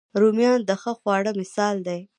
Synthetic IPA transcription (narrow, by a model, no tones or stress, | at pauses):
ɾumjɑnd̪əxəxwɑɽəmɪsɑld̪aj